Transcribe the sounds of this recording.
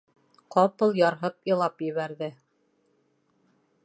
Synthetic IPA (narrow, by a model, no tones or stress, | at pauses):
qɑpɤlˠjɑɾɦɤpɤ̆lˠɑpjɘ̆βæɾðɘ